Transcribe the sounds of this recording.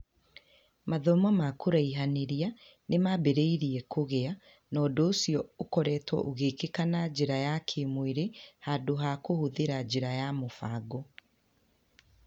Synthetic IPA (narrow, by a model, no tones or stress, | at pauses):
maðɔmɔmakoɾaiɦaneɾia | nemabeɾeiɾiɛkoɣea | nɔːdɔːsiɔokɔɾɛːtwɔ̰ʔoɣeːkekanad͡ʑeɾajakʰemweɾehadoɦakohoðeɾad͡ʑeɾajamofaɡɔ